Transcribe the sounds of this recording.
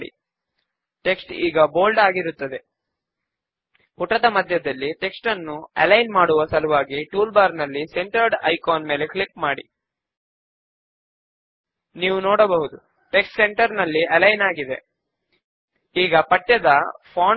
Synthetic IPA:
ɽḭ | ʈe̞ksʈḭːɡɐboːlɖaːɡiɾut̪ːɐd̪e̞ | puʈɐd̪ɐmɐd̪ʱjɐd̪ɐlːiʈe̞ksʈɐnːuɐ̰lɐjnmaːɽuʋɐsɐluʋaːɡiʈuːlbaːɾnɐlːise̞ɳʈɐɾɖɐjkaːnmeːle̞klipmaːɽḭ | niːʋunoːɽɐbɐɦud̪u | ʈe̞ksʈse̞ɳʈɐɾnɐlːiɐlɐjnaːɡid̪e̞̰ | iːɡɐpɐʈːɐd̪ɐpʰaː

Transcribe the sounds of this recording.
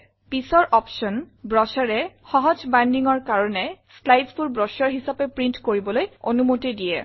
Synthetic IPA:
pisɔɹʔɔpʃɔn | bɹɔsaɹɛxɔɦɔzbandiŋɔɹkaɹɔnɛslajdspuɹbɹɔsaɹɦisapɛpɹintkoɹibɔlojonumotidijɛ̰

